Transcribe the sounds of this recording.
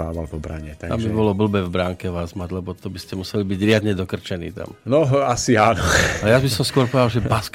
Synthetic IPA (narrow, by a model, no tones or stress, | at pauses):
a̰ːʋalpɔbɾa̰ɲɛt̪aa̰mbibɔlɔbl̩bɛvbɾaŋkɛʋaːzmaɟlɛbɔt̪ɔbiscɛmusɛlibiɟɾɪad̪ɲɛd̪ɔkr̩t͡ʃɛnḭːt̪a̰mnɔasianɔalɛjazbisɔmskʊɔɾpɔʋɛd̪alʒɛbask